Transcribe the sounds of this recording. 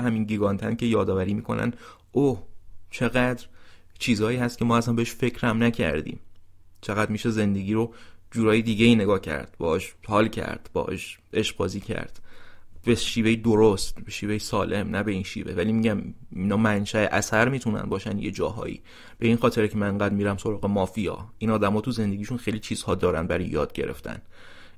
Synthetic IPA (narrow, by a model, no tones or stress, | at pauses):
ɦæminɟiɡɒnt̪ʰæncʰʲe̞jɒːd̪ɒːvæɾiːmiːkʰo̞̰næ̰n | oht͡ʃʰe̞ɣæd̪ɾ | t͡ʃʰiːzɒːjiːhæst̪̚cʰe̞mɒːæsænbeheʃfe̞cʰɾæmnæcʰæ̰ɾd̪ḭːm | t͡ʃʰeɣæd̪miːʃeze̞nd̪eɟʲiːɾod͡ʒuːɾɒːjed̪iːɡeiːne̞ɡɒːhcʰæ̰ɾd̪̥̚bɒ̰ːɛʃhɒːlcʰæ̰ɾd̪̥b̥ɒ̰ːʔɒ̰ːʃ | eʃbɒ̰ːziːcʰæ̰ɾd̪̥beʃiːvejed̪oɾost̪beʃiːvejesɒːlʔe̞mnæbe̞inʃḭːve̞vælimiɟæminɒːmænʃæeʔæsæɾmiːt̪ʰunæ̰nbɒːʃænd̪jḛd͡ʒɒːɦɒ̰ːḭ | b̥e̞iːnxɒːt̪ʰe̞ɾcʰemæneŋɡæːd̪miːɾæmso̞ɾɒːɣemɒːfijɒ̰ːʔinɒːd̪æmɒːt̪ʰuze̞nd̪e̞ɟiːʃunxejlit͡ʃʰiːz̥hɒːd̪ɒːɾæ̰n̚bæɾɒ̰jjɒ̰ːd̪̥̚ɟe̞̰ɾe̞̰ft̪ʰæ̰n